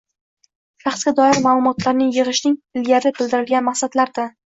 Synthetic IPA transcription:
ʃɑχsɡʲad̪ɒɪɾmaːlˠʊmɒt̪laɾnɪŋjɨʁɨʃnɪŋɪlɡʲaɾɪbɪld̪ɪɾɪlˠɡʲanmaχsad̪laɾd̪a

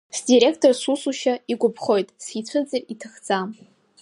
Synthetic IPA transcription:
sdiɾe̞kʰtʰorsusuʃaiɡʷʊpʰχo̞jtʼsit͡sʷʰɨd͡zʼɨritʰɨχd͡zʼam

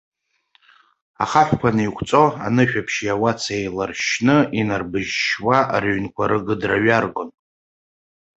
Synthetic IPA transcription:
a̰χaħʷᶣkʷʰanɨikʷʰt͡sʼo̞a̰nɨʃᶣapʰʃijawat͡sʰejlarʃnɨinarbɨʒʃwarɥnkʷʰaɾɨɡɨdraɥarɡʷon

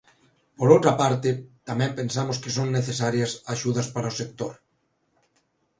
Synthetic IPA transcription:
poɾowt̪ɾapaɾt̪ɪt̪amɛ̃mpẽnsamʊskɪsoŋneθesaɾjɐsaʃuðɐspaɾɐʊsek̚t̪oɾ

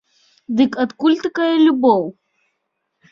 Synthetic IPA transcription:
d̪ɨkɐt̪kulʲt̪ɨkajɛlʲubɔw

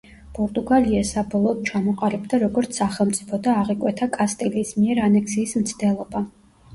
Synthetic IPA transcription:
pʼɔɾt̪ʼuɡaliasabɔlˠɔːd̪̥̚t͡ʃʰamɔqʼalɛbd̪aɾɔɡɔɾt̪sʰaχɛlˠmt̪sʼipʰɔd̪aːʁikʼwɛt̪ʰakʼast̪ʼɛliːsmiɛɾanɛksiːsmt̪sʰd̪ɛlˠɔba

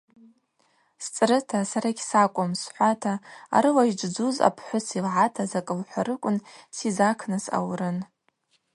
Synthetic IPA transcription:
st͡sʼrɨtʰasaɾaɡʲsakʷʼʊmsħʷatʰaa̰ɾɨlaʒd͡ʒd͡zuza̰pʰħʷʊsʰilʕatʰazakʼɨlħʷaɾɨkʷʼʊnsizakʰnɨsa̰wrɨn

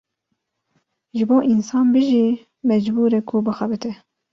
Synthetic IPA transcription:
ʒɨboːʔinsɑːnbɨʒiː | mɛd͡ʒbuːɾɛkʰʊbɨxɛbɨt̪ʰɛ

